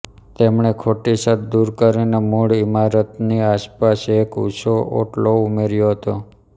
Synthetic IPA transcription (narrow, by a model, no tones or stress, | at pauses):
t̪emɳ̃ekʰoʈisət̪d̪uɾkəɾinemuɽimaɾət̪niaspasekṵsoo̰ʈloumeɾjoɦət̪o